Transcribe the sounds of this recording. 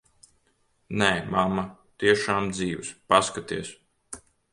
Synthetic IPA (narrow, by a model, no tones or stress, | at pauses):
nɛːmamːat̪iɛʃaːmd̪ziːwspaskat̪iɛs